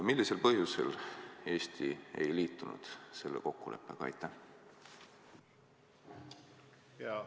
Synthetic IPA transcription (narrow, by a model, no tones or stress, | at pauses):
milːise̞lpɤhjuse̞̰le̞ːsʲt̪ʰie̞̰jliːt̪ːˑunṵd̪̥se̞lːeko̞kːule̞̰pːˑeɡ̥ɑɑ̰jt̪ːˑæh